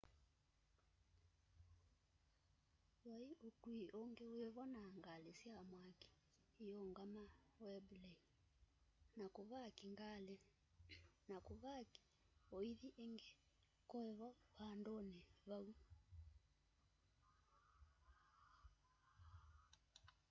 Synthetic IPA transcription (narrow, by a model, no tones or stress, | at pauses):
waiʔokuiʔoŋɡeweβɔnaŋɡalesiamwaki̥ | ijɔŋɡamawɛblɛi | nakoβakiŋɡale | nakoβaki̥ | oiðiʔeŋɡe | kɔɛβɔβandoneβau